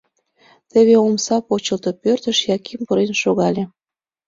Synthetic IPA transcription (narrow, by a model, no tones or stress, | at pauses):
t̪eβeomsɑpot͡ɕəlt̪opørt̪əʃjɑkimpəɾenʃoɣɑlʲe